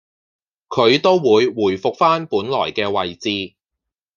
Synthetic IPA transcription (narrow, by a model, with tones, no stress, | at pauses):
kʰɵ˨˧ɥt̪o˥wwuː˨˧jwuː˨˩jfʊ˨k̚faː˥npuː˨˥nlɔ̰ː˨˩jkɛː˧wɐ˨jt͡siː˨˧